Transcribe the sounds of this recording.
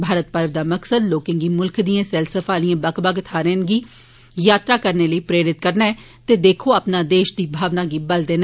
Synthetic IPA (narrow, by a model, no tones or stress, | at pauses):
bʱaːɾət̪̚pəɾʋd̪aːməksəd̪loːkɪ̃ŋɡiːmʊlkʰd̪ijãːsɛːlsəfʰaːliãːbəkbəɡt̪ʰaːɾẽːnɡiː | jaːt̪ɾaːkəɾneːləiːpɾeːɾɪt̪kəɾnaːɛː | t̪eːd̪eːkʰoːapnaːd̪eːʃd̪iːbʱaːʋnaːɡiːbəld̪eːn